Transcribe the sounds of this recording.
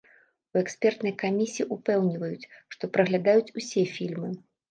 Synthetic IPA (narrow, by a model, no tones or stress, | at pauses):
uɛksʲpʲɛrt̪nɨjkamʲisʲijiʔupɛwnʲivɐjut͡sʲʂt̪ɔpɾɐɣlʲad̪ajut͡sʲusʲɛfʲilʲmɨ